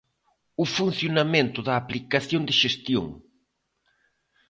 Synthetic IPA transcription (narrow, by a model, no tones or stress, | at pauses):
ʊfun̟θjonamẽnt̪ʊðɐːplikaθjond̪ɪʃest̪jõ̰ŋ